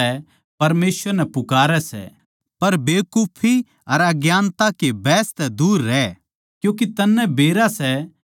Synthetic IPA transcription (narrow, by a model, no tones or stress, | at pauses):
ɛ | pɐɾmeːsʋəɾnɛpʊkaːɾɛsɛ̰ | pɐɾbeːkupʰːi | ɐɾɐɡjaːnt̪akebɛːst̪ɛd̪uːɾːɛː | kjũːk̬it̪ɐnːɛbeːɾasɛ